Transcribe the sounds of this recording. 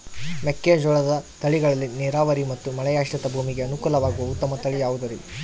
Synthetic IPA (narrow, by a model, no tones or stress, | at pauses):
mekːed͡ʒɔːɭɐd̪ɐt̪ɐɭiɡɐɭɐlːiniɾaːʋɐɾimɐt̪ːumɐɭɐjaːʂʈɐt̪ɐbʱuːmiɡe̞ɐnukuːlɐʋaːɡuʋɐut̪ːɐmɐt̪ɐɭijaːʋud̪ɐɾi